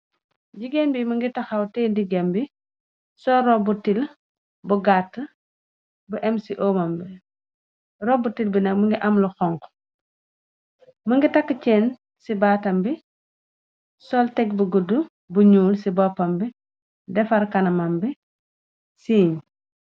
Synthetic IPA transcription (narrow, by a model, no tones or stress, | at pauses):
ɟiɡenbiməŋɡitɐxɐwtɛːndiɡɛmbi | sɔɾɔbutil | buɡatːə | buʔɛmsiʔɔmɐmbi | ɾɔbutilbinɐkməŋɡiʔɐmlɔxɔŋk | məŋɡitɐkːət͡ʃɛːn | sibaːtɐmbi | sɔltɛɡbuɡudːu | buɲuːlsibɔpːɐmbi | dɛfɐɾkɐnɐmambi | siːɲ